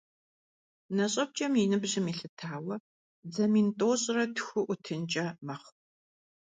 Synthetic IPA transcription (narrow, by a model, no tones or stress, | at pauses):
nɐɕʼɐb̚t͡ʃʼɐminɨbʑɪmiːɬɨtʰaːwɐ | d͡zɐmiːntʼoːɕʼrɐtʰxʷʊʔʷʊtʰɨnt͡ʃʼɐmɐχʷ